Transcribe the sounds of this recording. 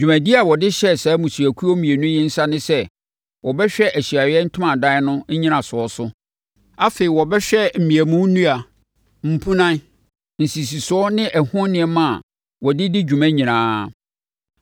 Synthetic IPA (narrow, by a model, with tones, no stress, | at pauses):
d͡ʑᶣu˨mæ̃˨di˦a˨wɔ˨dɪ˦ɕɛ˦sɛː˨˦mũ˨su˨æ˨kʰu˦ɔ˦mĩ˨e˨nʊ̃˦jɛ˦n̩˦sa˦nɪ̃˦sɛ˦ | wʔɔ˨bɛ˦ɕᶣɛ˦ʔæ˨ɕi˨a˨ɥɛ˦n̩˦tʰʊ̃˦mã˨dã˦nʊ̃˦ɲ̩˦ɲĩ˦nã˨sʊ˨ɔ˦sʊ˦ | a˦fe˨i˨wɔ˨bɛ˦ɕᶣɛ˦m̩˨mĩ˨æ˨mũ˦nũ˦a˨ | m̩˨pʰũ˦nã˦n | n̩˨si˨s̬i˨sʊ˨ɔ˦nɪ̃˦ʔɛ˨hʊ̃˦nnɪ̃˨˦ɛ˦mã˦a˨ | wɔ˨dɪ˦dɪ˦d͡ʑᶣu˨mæ̃˦ɲĩ˨nãː˨˦